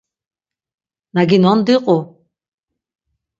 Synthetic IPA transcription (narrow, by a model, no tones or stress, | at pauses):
naɡinɔnd̪iqʼʊ